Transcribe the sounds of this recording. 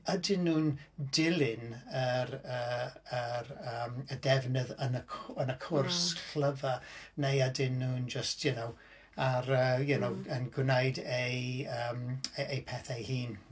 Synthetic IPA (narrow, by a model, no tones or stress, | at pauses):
adɪnːuːndɪlˠɪnəɾəəɾəːmədɛvnəðənəkʰənəkʰʊrskʰl̥əvanejadɪnːuːnd͡ʒəstʰjənow | aɾəːjənowənɡwnejdejəːmejpʰɛθajhiːn